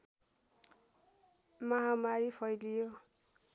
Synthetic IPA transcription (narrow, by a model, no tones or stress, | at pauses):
mʌɦamaɾipʰʌjlijo